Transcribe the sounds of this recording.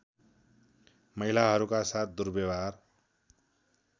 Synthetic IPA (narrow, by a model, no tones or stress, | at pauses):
mʌilaɦʌɾukasat̪̚ʰd̪uɾbebar